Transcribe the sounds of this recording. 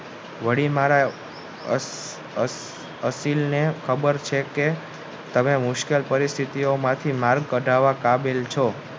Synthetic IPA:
ʋəɽimaɾa | əsilnekʰəbəɾt͡ʃʰeke | t̪əmemʊʃkelpəɾist̪ʰit̪iomãt̪ʰimaɾɡ̚kəɖʱaʋãkabilt͡ʃʰo

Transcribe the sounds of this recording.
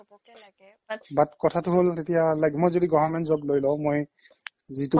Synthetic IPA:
batkɔtʰatʊɦoltetijalajɡmojzodiɡɔvaɹmɛntzɔblojlɔ̃ʊ̃moj | zitu

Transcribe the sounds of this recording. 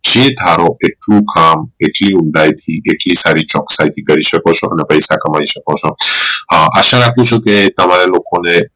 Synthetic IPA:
d͡ʒed̪ʱaɾoʔeʈlũkameʈliuɳɖajt̪ʰiʔeʈlisaɾit͡ʃɔksajt̪ʰikəɾiʃəkot͡ʃʰɔʔə̰nepəjsakəmaiʃəkot͡ʃʰɔ | ʔaʃãɾakʰũt͡ʃʰɔket̪əmaɾelokone

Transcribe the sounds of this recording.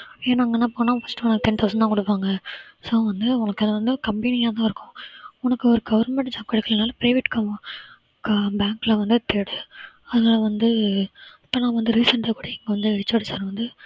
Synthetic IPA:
eːnaːŋɡɐnːaːpoːnãfɐsʈɯmɐnɐt̪ɛnt̪ɐʊsɐɳɖt̪ãːkɔɽɯpːaːŋɡɐsoːʋɐnd̪ɯʊnɐkːɛðɐʋɐnd̪ɯkɐmpɛnɪjaːt̪ãːɪɾɯkːʊ̃ʊnɐkːɯɔɾɯɡɐʋɐɾnmɛɳʈd͡ʒɐb̚kɐɽɐkːɐlɐnaːlɐpɪɾɐɪʋɪʈːkɐmɐ̃ | kɐbaːŋklɐʋɐnd̪ɯt̪eɽɯ | ɐðɯnaːlɐʋɐnd̪ɯ | ɐpːɐnaːʋɐnd̪ɯɾiːsɐɳʈɐkːuːɽɐɛŋɡɐʋɐnd̪ɯt͡ʃːɐːɽɪsaːɾʋɐnd̪ɯ

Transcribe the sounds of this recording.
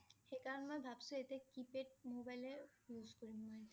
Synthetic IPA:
hekaɾmɔbʱabsoet̪ekipeʈ̚mobajlejuskoɾimoet̪

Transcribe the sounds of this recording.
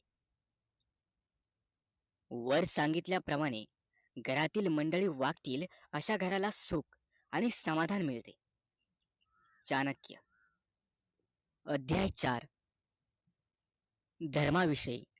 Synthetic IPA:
ʋəɾsãŋɡit̪ljapɾəmaɽ̃e | ɡʱəɾat̪iːlməɳɖəɭiːʋakt̪iːləɕaɡʱəɾalasuk | aɽ̃isəmad̪ʱanmiɭt̪e | t͡ɕanəkjə̰ | əd̪ʱjajt͡ɕaɾ | d̪ʱəɾmaʋiʂəjḭ

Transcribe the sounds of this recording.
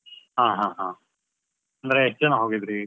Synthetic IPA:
ɦãːɦãɦãː | ɐnd̪ɐɾeɦet͡ʃːɐnuɦoːɡid̪ɾi

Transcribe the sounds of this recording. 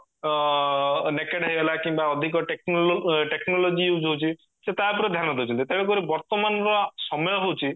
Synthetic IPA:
nekeɖɦaɦibelakimbaɔd̪ʱik̬ɔʈeknʈeknɔlod͡ʒiuwd͡ʒɦowt͡ʃʰi | set̪ap̬uɾɔd̪ʱjaɾnɔd̪ewt͡ʃʰɔnt̪it̪eɽek̬ɔɾibɔɾt̪ɔmanɔɾɔsɔmɔjɔɦowt͡ʃʰi

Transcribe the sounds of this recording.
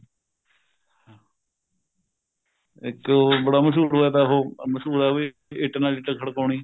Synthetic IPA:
ɪkːbəɽaːməs̬uːɾɦoɛːt̪aːɦoːməsuːɾaːi | ɪʈːnaːliːʈəkʰəɽkoːɳiː

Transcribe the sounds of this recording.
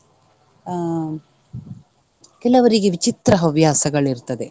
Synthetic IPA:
kɛlɐʋɐɾiɡeʋit͡ʃit̪ɾɐɦɐʋjaːsɐɡɐɭiɾt̪ɐd̪e̞

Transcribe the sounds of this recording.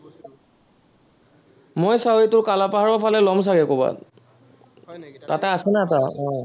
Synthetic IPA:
mojsaitʊɹkalapaɦaɹɔpʰalɛlɔms̬aɹɛkoba̰ | tatɛasɛnataɔj

